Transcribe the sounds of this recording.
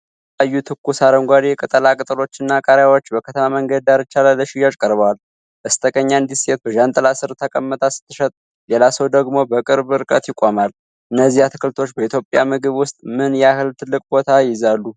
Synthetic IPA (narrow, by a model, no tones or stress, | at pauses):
ajːut̪ʰɨkːusaɾəmɡʷad̪jɛkʼət̪ʼəlakʼɨt̪ʼɨlo̞t͡ʃːɪnːakʼaɾjawo̞t͡ʃːbəkʰət̪ʰəmaməŋɡəd̪̚d̪aɾɨt͡ʃːalaləʃɪjat͡ʃʼkʼəɾβwal | ʔɨst̪ʼəkʼəɲːand̪iset̪̚bəʒant̪ʼəlasɨɾt̪ʰəkʼəmːət̪ʰasɨ̥t̪ʰːɨʃɛt̪ʼ | lelasəwd̪əɡmo̞bəkʼɨɾbɨɾkʼət̪jɪkʷʼːomal | ʔɨnːəzːihat̪ʰɨ̥kʰɨlt̪ʰo̞t͡ʃːbəit̪ʰjo̞pʼjamɨɡɨβwʊst̪ʼmɨnjɛahɨlt̪ʰɨlːɨkʼbo̞t̪ʰajɪzalːu